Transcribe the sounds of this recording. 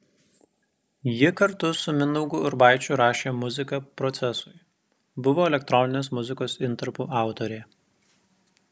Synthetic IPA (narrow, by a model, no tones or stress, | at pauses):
jɪkɐɾt̪ʊsʊmʲɪnɔʊɡʊɪɾbɑɪt͡ʃʲʊɾɑːʃʲeːmʊzʲɪkɐpɾɔt̪sʲɛsʊɪ | bʊʋoːɛlʲɛk̚t̪ɾɔnʲɪnʲeːsmʊzʲɪkoːsɪnt̪ɐɾpuːʔɑˑʊt̪ɔɾʲeː